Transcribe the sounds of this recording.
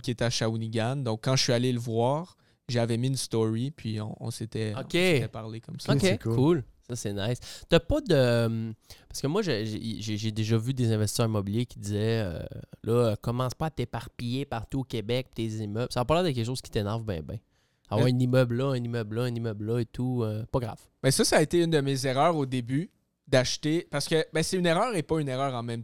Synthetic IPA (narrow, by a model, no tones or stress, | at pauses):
kʲiet̪ɛaʃauniɡʲand̪ɔ̃kːɑ̃əsɥialeləvwaːʁ | ʒeavɛminst̪ɔʁipʰɥiɔ̰̃ɔ̰̃set̪ɛokʲeeɛpaʁlekɔmsokʲekʰulsʌsɛnɛɪst̪apʌd̪əmpaʁskəmwaʒəʒ̰ʒeʒed̪eʒɔvyd̪ezɛ̃vɛst̪isœʁimɔbiljekʲid̪izɛø̰lʔʌkɔmɑ̃spʌat̪epaʁpijepaʁt̪uokʲebɛk̚pt̪ezimœblsavapaʁlid̪ək̬ʲɛkʃ̬oːz̥kʲi̥t̪enɛʁvbɛ̰̃bɛ̰̃ | avwaʁynimœblɔɛ̃nimœblɔɛnimœblɔet̪ʰuøpʌɡʁa̰v̥ | mɛsʌsaːet̪eynd̪əmezeʁœːʁod̪eby | d̪aʃt̪epaʁsə̥kəbɛ̃sɛyneʁœːʁepʌyneʁœːʁɑ̃mɛ̃m